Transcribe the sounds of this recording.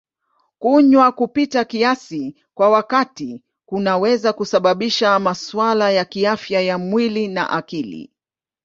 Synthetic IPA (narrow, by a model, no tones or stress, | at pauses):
kuɲwakupitakiasi | kwawakati | kunawɛzakusaɓaɓiʃamaswalajakiafjajamwilina̰ʔakilḭ